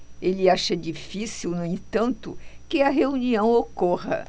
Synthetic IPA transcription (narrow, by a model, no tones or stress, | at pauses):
elɪaʃɐd͡ʒifisiwnʊẽt̪ɐ̃nt̪ʊ̰kɪɐɦeuniɐ̃w̃okoʁɐ̰